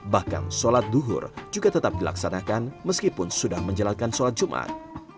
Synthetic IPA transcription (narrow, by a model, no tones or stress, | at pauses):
bahka̰nsolat̪̚duɦʊ̰rd͡ʒuɡat̪ət̪ap̚dila̰ksanakanməskipʊnsudahməɲd͡ʒəlankansolat̪̚d͡ʒumʔa̰t̪̚